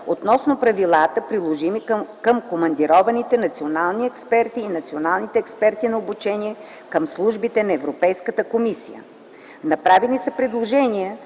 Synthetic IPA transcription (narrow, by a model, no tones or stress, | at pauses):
ot̪nɔsnopɾɐvilˠat̪əpɾilˠoʒimikəmkomɐnd̪iɾɔvɐnit̪ɛnɐt̪sionalˠniɛkspɛɾt̪iːnɐt̪sionalˠnit̪ɛɛkspɛɾt̪inɐobut͡ʃɛniɛ | kəmslˠuʒbit̪ɛnɐɛvɾopɛjskət̪əkomisḭjə̰ | nɐpɾavɛnisəpɾɛd̪lˠoʒɛnijə